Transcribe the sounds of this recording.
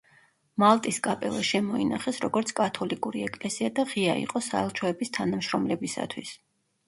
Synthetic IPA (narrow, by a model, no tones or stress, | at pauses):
malˠt̪ʼiskʼapʼɛ̰lˠaʃɛmɔina̰χɛsɾɔɡɔɾt̪sʰkʼat̪ʰɔlikʼuɾiɛkʼlɛsiad̪aʁiaḭqʼɔsaɛlˠt͡ʃʰɔɛbist̪ʰanamʃɾɔmlɛbisa̰t̪ʰwis